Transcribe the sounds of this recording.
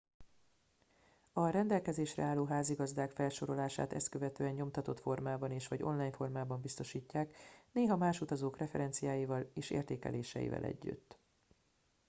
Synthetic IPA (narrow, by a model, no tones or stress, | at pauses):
ɒɾɛnd̪ɛlkɛzeːʃrɛ̰aːlːoːɦaːziɡɒzd̪aːkfɛlʃo̞ɾo̞laːʃa̰ːt̪ɛ̰st̪køvɛt̪øːɛɲɲo̞mt̪ɒt̪o̞t̪fo̞rmaːbɒneːʃʋɒɟo̞̰nlaːjɲfo̞rmaːbɒmbist̪o̞ʃiːcːaːkneːɦɒmaːʃut̪ɒzoːkrɛfɛɾɛnt̪sijaːjivɒleːʃḛːrt̪eːkɛ̰leːʃɛ̰jḭvɛ̰lʔɛ̰ɟːy̰t̪ː